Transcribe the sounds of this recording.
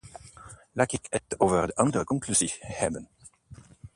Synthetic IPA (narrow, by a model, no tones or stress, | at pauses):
laːtɪkətoːvərdəʔɑndərəkɔŋklyzihɛbən